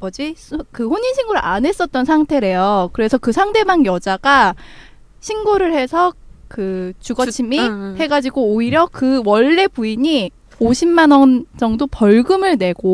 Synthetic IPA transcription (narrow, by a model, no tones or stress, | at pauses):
ʌd͡ʑiskɯɸoɲinɕʰiŋɡoɾɯane̞s͈ʌt̚t͈ʌnsʰaŋtʰe̞ɾe̞jokɯɾe̞sʰʌkɯsʰaŋde̞maŋjʌd͡ʑaɡa | ɕʰinɡoɾɯɭhe̞sʰʌkɯt͡ɕuɡʌt͡ɕʰimihe̞ɡad͡ʑiɡoːiɾjʌkɯwʌɭːe̞puiɲi | oɕʰimmanʌnd͡ʑʌŋdopʌɭɡɯmɯɭne̞ɡo